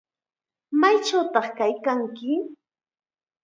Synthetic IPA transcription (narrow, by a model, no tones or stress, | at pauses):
majt͡ʃawt̪ɑχkajkaŋkɪ